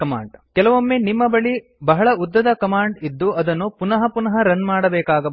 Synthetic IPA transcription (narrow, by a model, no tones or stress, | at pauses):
kɐmaːɳɖkɛlɐʋomːenimːɐbɐɭi | bɐɦɐɭɐud̪ːɐd̪ɐkɐmaːɳɖid̪ːuɐd̪ɐnːupunɐɦɐpunɐɦɐɾɐnmaːɽɐbɛːkaːɡɐ